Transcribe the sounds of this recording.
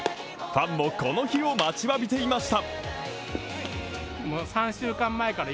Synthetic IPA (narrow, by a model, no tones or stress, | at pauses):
ɸãmːo̞ko̞no̞çio̞mat͡ɕiβabʲit̪e̞imaɕi̥t̪a | moːsãɰ̃ɕɨːkãmːae̞kaɾa